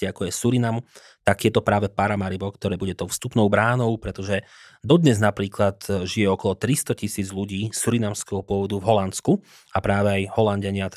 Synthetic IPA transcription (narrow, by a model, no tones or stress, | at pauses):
iakɔjɛsuɾinam | t̪aɡjɛt̪ɔpɾaːʋɛpaɾamaɾibɔkt̪ɔɾɛːbuɟɛt̪ɔʊfst̪upnɔʊbɾaːnɔʊpɾɛt̪ɔʒɛ | d̪ɔd̪ɲɛznapɾiːklat̪ʒijɛɔkɔlɔt̪ɾist̪ɔcisiːd͡zʎuɟiːsuɾinamskɛɦɔpʊɔʋɔd̪uvɦɔlant͡sku | apɾaːʋɛajɦɔlanɟaɲɪat̪